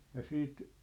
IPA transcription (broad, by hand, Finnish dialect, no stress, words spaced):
jɑ siːt